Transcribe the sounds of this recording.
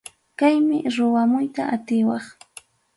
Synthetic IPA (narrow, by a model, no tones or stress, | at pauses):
kajmɪɾʊwamʊjt̪aʔat̪ɪwɑχ